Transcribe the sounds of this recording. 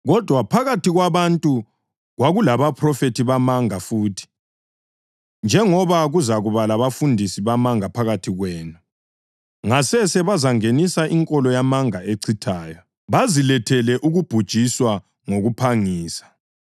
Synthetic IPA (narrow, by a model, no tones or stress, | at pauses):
ɣɔd̥ʱwapʰaɣatʰiɣwaβantʼu | ɣwaɣulaβapʰrɔfetʰiβamaŋafuːtʰi̥ | nd͡ʒʱɛŋɔβaɣuzaɣuβalaβafundʱisiβamaŋapʰaɣatʰiɣwɛːnu | ŋasɛsɛβazaŋenisaʔiŋkʼɔlɔjamaŋaeǀʰitʰaːjɔ | βazilɛtʰɛlɛʔuɣub̥ʱud̥ʒ̥ʱiswa | ŋoɣupʰaŋiːsḁ